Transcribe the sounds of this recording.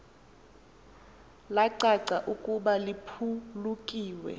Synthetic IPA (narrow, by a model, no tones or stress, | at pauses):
laǀaǀaʔukʼuɓalipʰulukʼiːwɛ̰